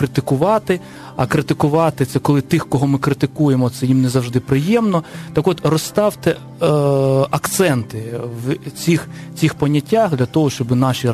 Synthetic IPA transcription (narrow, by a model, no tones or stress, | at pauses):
ɾɪt̪ɪkʊʋɑt̪ɪ | ɐkɾɪt̪ɪkʊʋɑt̪ɪt̪sɛkɔlˠɪt̪ɪxkɔɦɔmɪkɾɪt̪ɪkujemɔt̪sɛjimnɛzɐwʒd̪ɪpɾɪjɛmnɔt̪ɑkɔt̪rɔst̪ɑwt̪ɛ | ɐkt̪sɛnt̪ɪwt͡sʲixt͡sʲixpɐnʲːɐtʲːaxd̪lʲɐt̪ɔɦɔʃt͡ʃɔbɪnɑʃʲi